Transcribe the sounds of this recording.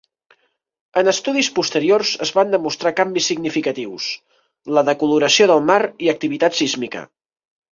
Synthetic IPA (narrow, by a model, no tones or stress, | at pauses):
ənəst̪uðispust̪əɾiorzəzβand̪əmust̪ɾakambisːiɡnifikət̪iws | ləðəkuluɾəsioðəlˠmaɾiək̚t̪iβit̪at̪sizmikə̰